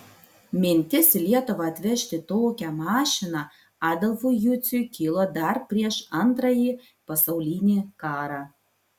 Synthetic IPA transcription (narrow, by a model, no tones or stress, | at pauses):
mʲɪnʲt̪ʲɪsʲlʲiɛt̪ʊʋɐɐt̪ʲʋʲɛʃʲt̪ʲɪt̪oːkʲæmɑːʃʲɪnɑ | ɑːd̪ɐlˠfujʊt̪sʲʊjkʲiːlˠoːd̪ɐɾpʲɾʲiɛʃɐnt̪ɾɐjiː | pɐsɐʊlʲiːnʲiːkɑːɾɑ